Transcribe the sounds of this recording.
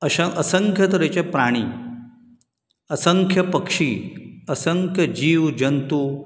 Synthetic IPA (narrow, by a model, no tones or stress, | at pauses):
ɐɕɐɐsəŋkʰjɐt̪ɐɾet͡ɕapɾaɽ̃iː | ɐsəŋkʰjɐpɐkʂiːɐsəŋkʰjɐd͡ʑiːʋd͡ʑɐnt̪u